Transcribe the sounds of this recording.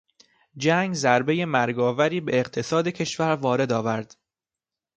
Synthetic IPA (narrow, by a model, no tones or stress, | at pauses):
d͡ʒæŋɡzæɾbe̞je̞mæɾɡɒːvæɾiːbeːqt̪ʰe̞sɒːd̪e̞cʰe̞ʃvæɾvɒːɾe̞d̪ɒːvæɾd̪̥